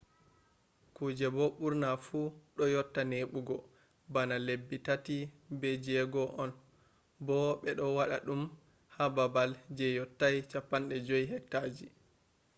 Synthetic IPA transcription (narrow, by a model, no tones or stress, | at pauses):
kud͡ʒɛbɔɓuɾnafuɗɔjɔtːaneɓuɡɔ | banalebːitatibɛd͡ʒɛɡɔʔɔn | bɔɓɛɗɔwaɗa̰ɗum | hababald͡ʒɛjɔtːajt͡ʃapːanɗɛd͡ʒojɦɛk̚tad͡ʒi